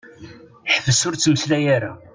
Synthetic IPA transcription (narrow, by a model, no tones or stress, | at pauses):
ħəvəsʊɾt͡sːməslæjaɾa̰